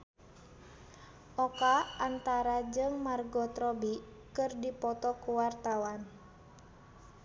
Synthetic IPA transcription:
ʔɔkaant̪aɾad͡ʒɨŋmarɡɔt̪ɾɔbi | kɨrdipɔt̪ɔkuwart̪awan

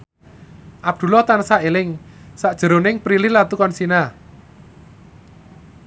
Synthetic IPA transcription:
ʔab̚d̪̥ṳlɔht̪ansaʔelɪŋsaʔd̥ʒ̥ə̤ɾonɪŋpɾilɪhlat̪ukɔnsina

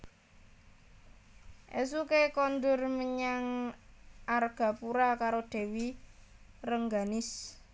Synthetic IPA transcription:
ʔḛs̬ukekɔnd̪ʊrməɲaŋ | ʔarɡ̥a̤puɾakaɾoɖ̪̥e̤wi | rəŋɡanɪs

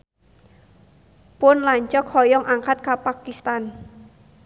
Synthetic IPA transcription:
pʊnlaɲt͡ʃɔkhɔjɔŋʔaŋkat̪̚kapakist̪an

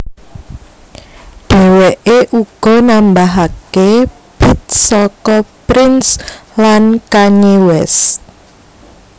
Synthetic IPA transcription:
ɖ̥e̤weʔeʔuɡ̥ɔ̤nambaɦake | b̥it̪̚sɔkɔpɾɪnslankaɲiwɛs

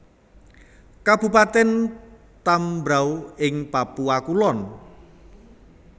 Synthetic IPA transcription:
kab̥ṳpat̪ɛn | t̪ambɾawɪŋpapuakulɔn

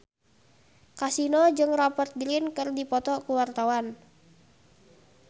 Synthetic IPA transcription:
kasinɔd͡ʒɨŋrɔpərt̪̚diɾɪnkɨrdipɔt̪ɔkuwart̪awan

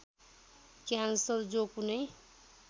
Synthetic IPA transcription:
kjansʌrd͡zokunʌj

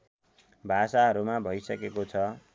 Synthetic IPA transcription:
bʱasaɦʌɾumabʱʌjsʌkekot͡sʰʌ

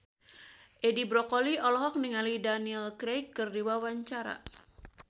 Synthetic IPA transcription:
ʔɛdibɾɔkɔliɔlɔɦɔk̚niŋalidaniɛlkɾejkːɨrdiwawaɲt͡ʃaɾa̰

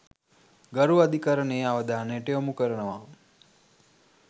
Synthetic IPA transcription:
ɡaɾuad̪ikaɾəɳeaʋəd̪aːnəjəʈəomukəɾənəʋa

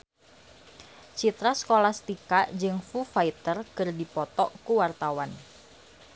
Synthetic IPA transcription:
t͡ʃit̪ɾasə̥kolahst̪ikad͡ʒɨŋfufait̪ərkɨrdipɔt̪ɔkuwart̪awan

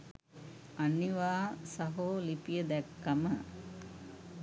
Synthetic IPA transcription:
anːiʋaːsaɦoːlipijəd̪ɛkːamə

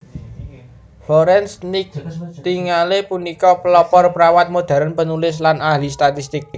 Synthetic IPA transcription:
foɾɛnsnɪk̚t̪iŋalepunikɔpəlɔpɔrpəɾawat̪̚mod̪̥ä̤ɾanpənulɪs̬lanahlist̪at̪ist̪ɪk̚

